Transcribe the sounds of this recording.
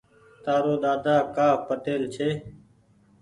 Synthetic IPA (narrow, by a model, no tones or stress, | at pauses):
t̪aːɾoːɗ̪aːd̪aːkaːpəʈeːlt͡ʃʰeː